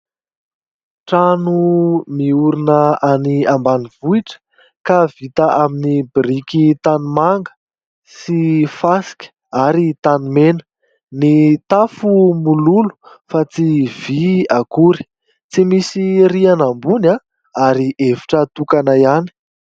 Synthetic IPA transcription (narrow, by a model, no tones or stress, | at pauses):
ʈ͡ʂanumiuɾinəaniambaniv̥uiʈ͡ʂə̥ | kav̥it̪əʔaminibiɾikit̪animaŋɡə̥ | sifasi̥kʲə̥ | aɾit̪animenə̥ | nit̪afumululu̥ | fat͡siv̥iakuɾi̥ | t͡simisiɾianambuna | aɾiʔeviʈ͡ʂət̪ukanaiani̥